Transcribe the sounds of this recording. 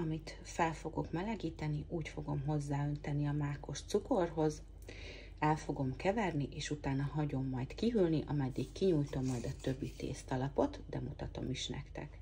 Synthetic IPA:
ɒmit̪ | fɛlfo̞ɡo̞kmɛlɛɡiːt̪ɛniʔuːcfo̞ɡo̞mɦo̞zːaːø̞nt̪ɛniɒmaːko̞ʃt̪suko̞rɦo̞z | ɛlfo̞ɡo̞mkɛvɛrniʔeːʃut̪aːnɒɦɒɟo̞mːɒjt̪kiɦylniʔɒmɛd̪ːikkːiɲujt̪o̞mːɒjd̪ɒt̪ø̞bːit̪ḛːst̪ɒlɒpo̞t̪d̪ɛmut̪ɒt̪o̞̰miʃnɛ̰kt̪ɛ̰k

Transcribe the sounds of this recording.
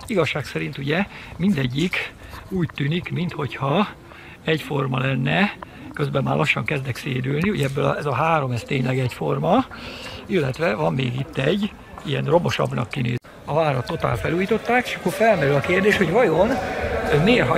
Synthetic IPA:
iɡɒʃːaːksɛɾint̪uɟɛmind̪ɛɟːikuːct̪ːyːnikmint̪ho̞chɒ | ɛɟfo̞rmɒlɛnːɛ | køzbɛmːaːlɒʃːɒŋkɛzd̪ɛkseːd̪ylniuɟɛɛbːølɒ̰ɛzɒɦaːɾo̞mɛst̪eːɲlɛɡɛcfo̞rmɒ | ilːɛt̪ʋɛvɒmːeːɡit̪ːɛɟː | ijɛnro̞bo̞ʃɒ̰bnɒ̰kːinḛː | ɒvaːɾɒt̪ːo̞t̪a̰ːlfɛluːjit̪o̞t̪ːaːkeːʃɒkːorfɛlmɛɾylɒkeːrd̪eːʃho̞ɟvɒjo̞nmeːrɦɒ

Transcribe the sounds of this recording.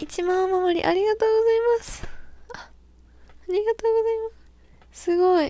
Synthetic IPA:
it͡ɕimãmamoɾʲḭʔaɾʲiɡat̪o̞ːɡo̞zaimasɨ̥aː | ɾʲiɡat̪o̞ːɡo̞zaimas | sɨɡo̞i

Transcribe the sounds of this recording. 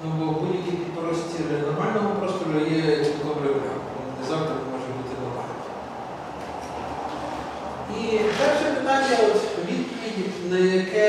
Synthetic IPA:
nubɔbud̪ʲjɐkʲipʲipɾɔsʲtʲiɾnɔrmɑlʲnɔɦɔpɾɔst̪ɔɾʊjɛd̪ˠɔbɾɛpɾʲɑ̰m | innɛzɑvd̪ɾɪmɔʒɛbut̪ɪnɔrmɑ̰lʲnɔ | ipɛrʃɛpɪt̪ɑnʲjɐɔt̪ʋʲid̪poʋʲid̪ʲinɐjɐkɛ

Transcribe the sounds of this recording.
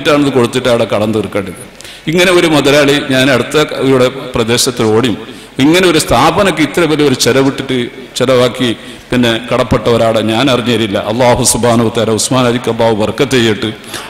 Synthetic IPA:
ʈːaːɳɐðɨko̞ɽut̪ːiʈːaːjɽekɐɽɐnd̪ɨrkːeːɳɖiðɨ | iŋːɐne̞o̞ɾumɐðɐlaːɭiɲaːneɽut̪ːɐʋiɾuɽeprɐd̪e̞ːɕɐt̪ːilo̞ːɽijum | iŋːɐneo̞ɾust̪ʰaːbɐnok̬ːɨit̪ːɐɾɐpɐlio̞ɾut͡ɕeɾɐʋiʈːiʈːɨ | t͡ɕeɾɐʋaːkːi | pinːe̞kɐɽɐpːeʈːɐʋɐɾaːɽɐɲaːnɐriɲːɐɐɾiilːɐ̰ʔɐlˠːaːɦusubʱhaːnɐuɐt̪aːlɐusmaːnaːd̪ikʲːɐbaːʋɨʋɐrkɐt̪ːejːiʈːɨ

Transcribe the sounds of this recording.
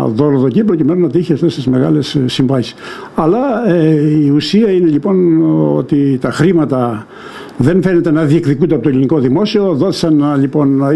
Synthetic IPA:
ðo̞ɾoðo̞cipɾo̞cime̞nunɐt̪içeɐft̪est̪izme̞ɣɐle̞ssːiɱvɐsi̥s | ɐlɐ | iusiɐine̞ʎipo̞no̞̰t̪it̪ɐxɾimɐt̪ɐ | ðe̞nfe̞ne̞t̪enɐðiekðikund̪eɐpot̪oliniko̞ðimo̞sio̞ðo̞θi̥sɐnʎipo̞n

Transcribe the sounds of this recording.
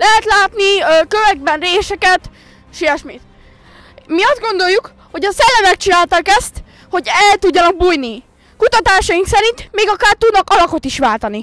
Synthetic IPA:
lɛɦɛt̪laːt̪nikøvɛɡ̚bɛnreːsɛkɛt̪ | ʃiɛʃmiːt̪ | miɒzd̪ɡo̞nd̪o̞jːuk | ho̞ɟɒsɛlːɛmɛkt͡ʃinaːlt̪ɒkɛst̪ | ho̞ɟɛlt̪uɟːɒnɒɡ̚buːjni | kut̪ɒt̪aːʃɒjiŋksɛɾint̪meːɡɒkaːrt̪ud̪nɒkɒlɒko̞t̪iʃʋaːlt̪ɒni

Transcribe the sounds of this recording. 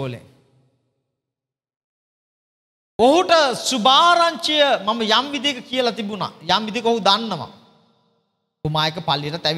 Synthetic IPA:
oːlḛŋ | oɦuʈəsubaːɾaɲt͡ʃəjəmaməjamʋid̪ijekəkijəlat̪ibuna̰jamʋid̪ekəoɦud̪anːəʋa̰ | umaːjekəpalːijəʈat̪æʋ

